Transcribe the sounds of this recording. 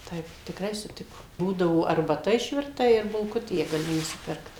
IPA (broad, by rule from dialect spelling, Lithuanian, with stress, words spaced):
ˈtɐɪp tʲɪkˈrɐɪ sʊˈtʲɪkoːm ˈbuːdɐʋoː ɐrbɐˈtɐ ɪʃʲʋʲɪrˈtɐ ɪr bʊlˠˈkʊtʲeː ɡɐˈlʲɪ nʊsʲɪˈpʲɪrkt